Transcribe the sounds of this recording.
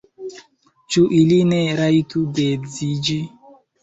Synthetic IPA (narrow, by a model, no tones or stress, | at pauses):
t͡ʃuʔilineɾajtuded͡zid͡ʒi